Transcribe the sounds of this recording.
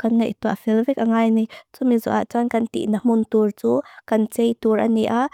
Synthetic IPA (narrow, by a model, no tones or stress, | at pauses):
kanŋejʔt̪uaʔfilvɛk̚aŋajnit͡sumizɔ̰ʔa̰ʔt͡sankɐnt̪ḭʔnɐm̥unt̪urt͡sukɐnt͡sɛjt̪uɾʔaniʔa